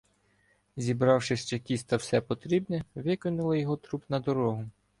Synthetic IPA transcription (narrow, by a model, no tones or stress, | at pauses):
zʲibɾɑwʃɪʃt͡ʃɛkʲisʲt̪ɐwsɛpɔt̪ɾʲibnɛʋɪkɪnʊlˠɐjɔɦɔt̪ɾupnɐd̪ɔɾɔɦʊ